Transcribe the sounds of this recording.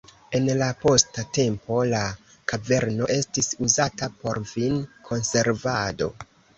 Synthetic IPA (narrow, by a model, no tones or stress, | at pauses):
e̞nlapo̞state̞mpo̞la | kave̞ɾno̞ʔe̞stisuzatapo̞ɾvinkʰo̞nse̞ɾvado̞